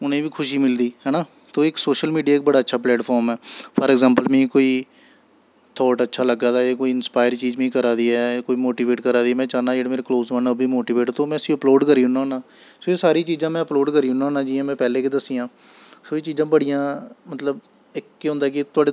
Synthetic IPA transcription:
ʊnẽːʋiːkʰʊʃiːmɪld̪iːɦɛːnaː | t̪oːɪksoːʃəlmiːɖiaːɪk̚bəɽaːətːʃʰaːplɛːʈpʰɔːɾmɛːpʰəɾɛɡzãːmpəlmɛ̃ːkoːiː | t̪ʰɔːʈətːʃʰaːləɡaːd̪aːeːkoːiːɪnspaːɪəɾt͡ʃiːd͡ʒmĩːkəɾaːd̪iːɛːkoːiːmoːʈiːʋeːʈkəɾaːd̪iːɛːmɛ̃ːt͡ʃaːnãːd͡ʒeːɽeːmeːɾeːkloːzʋənːbʱiːmoːʈiːʋeːʈːt̪oːmɛ̃ːəsiːəploːɖkəɾiːɦʊnãːnãː | soːeːsaːɾiːt͡ʃiːzãːmɛ̃ːəploːɖkəɾiːʊnãːnãːd͡ʒiːãːmɛ̃ːpɛːleːked̪əsːijãː | soːeːt͡ʃiːzãːbəɽijãːmət̪ləb | ɪkːeɦʊ̃nd̪aːɛkɪt̪ʊaːɽeː

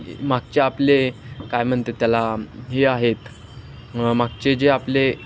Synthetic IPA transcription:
maɡ̚t͡ɕeaplekajmənt̪et̪jalaɦeaɦet̪ | maɡ̚t͡ɕed͡ʑeaple

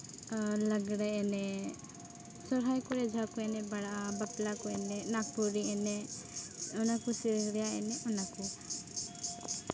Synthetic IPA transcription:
ləɡɽɛɛnɛ | sɔɾɦajkɔɾɛd͡ʒʱakɔɛnɛbaɽaʔabaplakɔɛnɛnak̚puɾiɛnɛ | ɔnakusiɾəɡɽɛjaɛ̰nɛʔɔnaku

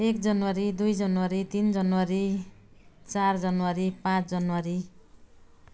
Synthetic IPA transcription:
ekd͡zʌnwaɾid̪ujd͡zʌnwaɾit̪ind͡zʌnwaɾi | t͡sard͡zʌnwaɾipãt͡sʰd͡zʌnwaɾi

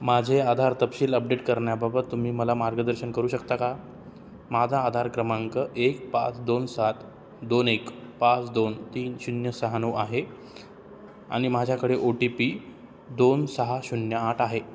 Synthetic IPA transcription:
mad͡ʑʱead̪ʱaɾt̪əpɕiːləp̚ɖeʈkəɾɳjababət̪ːum̤iːməlamaɾɡəd̪əɾɕənkəɾuːɕəkt̪aka | mad͡z̪ʱaːd̪ʱaɾkɾəmaŋkəʔek̚pa̰t͡sd̪onsat̪ | d̪onekpat͡sd̪ont̪iːnɕunjəsəɦanoʔaɦe | a̰ɽ̃imad͡ʑʱjakəɽeʔoʈipi | d̪onsəɦaɕunjəaʈaɦe

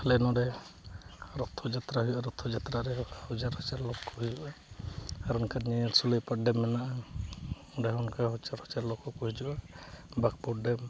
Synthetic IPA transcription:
hɛlɛnɔɖɛ | ɾɔt̪ʰɔd͡ʒat̪ɾaɦɔjɔʔaɾɔt̪ʰɔd͡ʒat̪ɾaɾɛaɔd͡ʒaɾhɔt͡ʃaɾlɔkːɔɦid͡ʒuʔa | aɾɔnkaɾɲijɔɾsuləjpaɖɛmːɛnaʔa | ɔɖɛɦɔnkaɦɔt͡ʃaɾhɔt͡ʃaɾlɔkɔkɔɦid͡ʒuʔabak̚pɔɖɛm

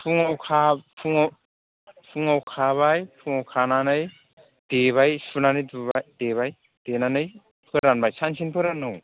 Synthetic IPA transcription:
pʰuŋawkʰapʰuŋ | pʰuŋawkʰaβajpʰuŋawkʰananɯj | d̥eβajsunanɯjduβad̥eβaj | d̥enanɯj | pʰɯɾanbajsʰansʰinpʰɯɾanɯw

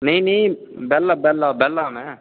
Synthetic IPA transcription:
nini | bɛlːabɛlːaːbɛlːaːmɛ

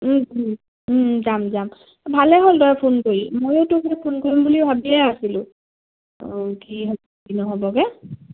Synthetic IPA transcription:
di | zamzam | bʱalɛɦoldɔjapʰonkoɹimojotʊxɛjpʰonkoɹimbuliʊbʱabiɛasilʊ̰̃ | kiɦɔ | binɔɦobɔɡɛ

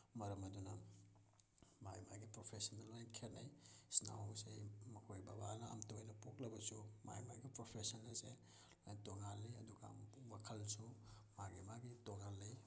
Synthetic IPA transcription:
mɐɾɐmɐdunɐ | majmaɡipɾopʰesɐnːɐlojnɐkʰenajsna̰wsejmɐkʰojbabanɐ̰ːmtojnɐpok̚lɐbɐsuma̰jma̰ɡipɾopʰesɐnːɐse | lajtoŋalːiɐ̰duɡɐ̰wakʰɐlsumaɡimaɡitoŋalːij

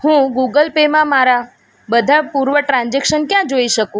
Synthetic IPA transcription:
hũɡuɡəlpemãmaɾa | bəd̪ʱapuɾʋəʈɾãnd͡ʒekʃənkjãd͡ʒoiʃəkũ

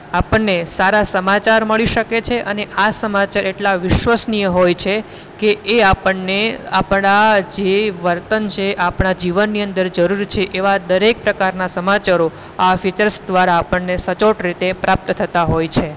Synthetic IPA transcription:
apəɳːesaɾasəmat͡ʃaɾməɭiʃəket͡ʃʰeʔəneʔasəmat͡ʃaɾeʈlaʋɪʃʋəsnijəɦojt͡ʃʰe | keʔːapəɳːeapɳad͡ʒeʋəɾt̪ənt͡ʃʰeʔapɳad͡ʒiʋənːiənd̪əɾd͡ʒəɾuɾt͡ʃʰeʔeʋad̪əɾek̚pɾəkaɾnasəmat͡ʃaɾo | afit͡ʃəɾsd̪ʋaɾaːpəɳːesət͡ʃoʈɾit̪epɾap̚t̪t̪ʰət̪aɦojt͡ʃʰe

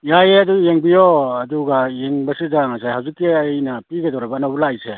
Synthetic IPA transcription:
jajeɐdujeŋbijɔɐduɡajeŋbɐsizaŋasajhawzikːiɐjnɐpiɡɐdɔwɾabɐːnabulajse

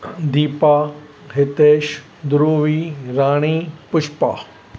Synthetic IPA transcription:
d̪iːpaː | ɦɪt̪eːʃ | d̪ʊɾuːʋiːɾaːɽ̃iːpʊʃpa̰ː

